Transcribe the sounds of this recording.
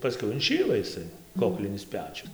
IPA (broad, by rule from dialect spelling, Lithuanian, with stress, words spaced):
pɐˈsʲkʲɛʊ ɪnʲˈʃʲiːlˠɐ ɪˈsɐɪ ˈkoːklʲɪnʲɪs ˈpʲæːt͡ʃʲʊs